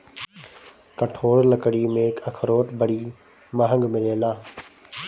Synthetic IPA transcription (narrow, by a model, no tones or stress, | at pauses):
kɐʈʰoːɽlɐkəɽimẽːkɐkʰɾoːʈbəɽiː | maːɦə̃ŋɡmɪleːlaː